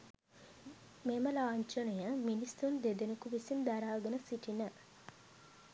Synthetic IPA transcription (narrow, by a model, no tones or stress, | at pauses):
meməlaːɲt͡ʃənujəminist̪und̪ed̪enukuʋisind̪aɾaːɡənəsiʈinə